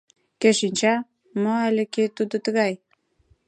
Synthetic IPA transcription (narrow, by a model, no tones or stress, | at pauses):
keʃinʲt͡ɕæ | moælʲĕket̪ud̪ŏt̪ə̆ɣɑj